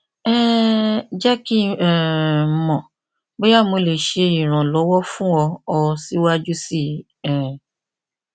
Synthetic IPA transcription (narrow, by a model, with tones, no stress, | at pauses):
ɛ˦ | d͡ʒɛ˦ki˦ɛ˨mɔ̃˨ | bo˦ja˦˨mo˧le˨ʃe˧ĩ˨ɾ̃ã˨lɔ˨˦wɔ˦fũ˦ɔ˧ɔ˧si˦wa˦d͡ʒu˦si˦˨˦ | ɛ̃˨